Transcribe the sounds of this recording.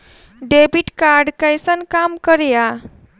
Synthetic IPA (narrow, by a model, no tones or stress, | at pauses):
ɖebiʈkaɾɖkajsʌnkamkʌɾja